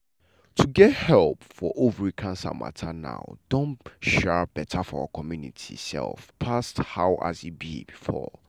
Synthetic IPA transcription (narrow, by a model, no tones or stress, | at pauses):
tʰuɡɛthɛlˠpfɔʔovɹikʰãnsa̰ma̰tʰana̰ʊd̥õnʃɛɹb̥ɛtʰafɔa̰akʰɔmjunḭtʰisɛ̰lˠfpʰasthaʊʔa̰zibḭbifɔ̰